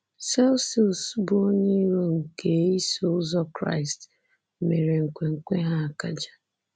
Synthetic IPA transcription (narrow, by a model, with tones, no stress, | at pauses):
sɛ˦lsi˦˨o˨su˦bo˦ɲe˦i˦ɾo˦ŋ̩˨ke˨˦i˦so˦ʊ˦zɔ˦kɾa̰˦˨ɪ˨st | me˨ɾe˨ŋ̩˨kʷe˨ŋ̩˨kʷe˦ɦa˦a˨ka˦d͡ʒḁ˨